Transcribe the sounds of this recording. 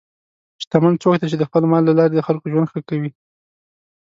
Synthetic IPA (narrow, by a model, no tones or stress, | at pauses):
ʃt̪amant͡sokt̪at͡ʃed̪əxpəlmɑlːalɑɾed̪əxalkoʒwand̪xəkawi